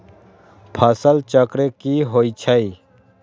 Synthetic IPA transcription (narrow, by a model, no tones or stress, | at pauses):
pʰəsəlt͡ʃəkɾekiɦoːit͡ʃʰəi